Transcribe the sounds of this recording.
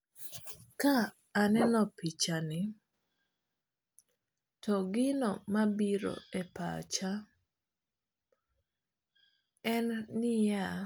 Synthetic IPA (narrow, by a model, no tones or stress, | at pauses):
kaː | nɛnɔpit͡ʃanɪ | tɔɡɪnɔmabiɾo̰ɛpa̰t͡ʃa | ɛnːɪja